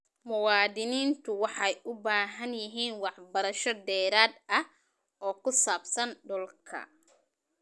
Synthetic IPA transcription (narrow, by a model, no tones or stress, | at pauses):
mʊwɑːd̪ɪniːnt̪ʰʊwɑħɑjʔʊbaːɦɐnjɪɦiːnwɑħbɐɾɐʃɔd̪ɛːɾaːd̪ɐh | ɔːkʰʊsaːbsɐnɖɔlkʰɐ̰